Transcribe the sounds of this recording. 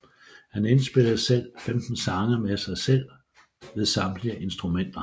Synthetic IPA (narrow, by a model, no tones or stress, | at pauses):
hænensb̥e̝l̰ð̩ˠsel̰femd̥n̩sɑ̈ŋɐmesɑ̈ɪsel̰ | ʋe̝ðˠsɑ̈md̥liəʔe̝nsd̥ʁumen̰d̥ɐ